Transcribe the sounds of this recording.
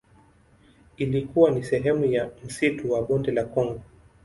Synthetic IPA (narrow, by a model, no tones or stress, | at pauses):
ilikuwanisɛɦɛmujam̩situwaɓɔndɛlakɔŋɡɔ